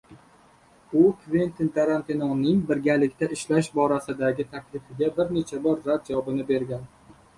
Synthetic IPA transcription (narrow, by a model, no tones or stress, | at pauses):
ʊkvent̪ɪnt̪ʰaɾant̪inonːɪŋbɪɾɡʲalɪkʲt̪ʰaʔɪʃlaʃbɒɾasɪd̪aɡʲɪt̪ʰakʲʰlɪfɪɡʲabɪɾne̞t͡ʃʰabɒɾzat̪̚d͡ʒavɒbɪnɪbe̞ɾɡʲan